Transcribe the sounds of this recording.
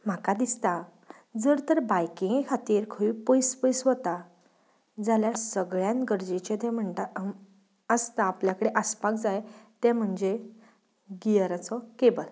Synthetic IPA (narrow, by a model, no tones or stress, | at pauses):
m̤akad̪ist̪a | d͡zəɾt̪əɾbajkĩŋɡkʰat̪iːɾkʰəipəjspəjsʋət̪a | d͡zaljasəɡɭjãnɡəɾd͡ʑet͡ɕet̪ɛ̃m̤əɳt̪a | əst̪aːpljakəɽeʔəspak̚d͡zajt̪ɛ̃m̤əɳd͡ʑe | ɡijəɾat͡sɔkebəl